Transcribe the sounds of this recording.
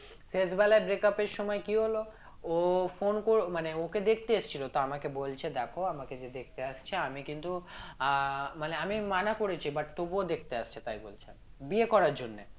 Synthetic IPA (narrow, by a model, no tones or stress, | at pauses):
sesbɛlaebɾekapeɾʃɔmɔekiɦolo | ofonkoɾmaneoked̪ekʰt̪eeʃt͡ɕʰilot̪oamakebolt͡ɕʰed̪ɛkʰoamaked͡ʑed̪ek̚ʰt̪eaʃt͡ɕʰeamikint̪u | maneamimanakoɾet͡ɕʰibaʈt̪obod̪ekʰt̪eaʃt͡ɕʰet̪ajbolt͡ɕʰḛ | biekɔɾaɾd͡ʑonːe